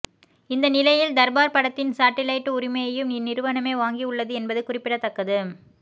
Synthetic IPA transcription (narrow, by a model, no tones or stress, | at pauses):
ɪnd̪ɐnɪlɐjɪld̪ɐɾbaːɾpɐɽɐt̪ːɪnsaːʈːɪlɐɪʈːɯʊɾɪmɐjɐjɯmnɪnɪɾɯʋɐnɐmeːʋaːŋɡiʊɭːɐðɯɛnbɐðɯkʊrɪpːɪɽɐt̪ːɐkːɐðɯ